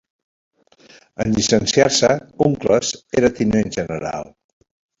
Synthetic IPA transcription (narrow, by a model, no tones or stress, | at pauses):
ənʎisənsiaɾsəuŋkləseɾət̪inenʲʒənəɾa̰lˠ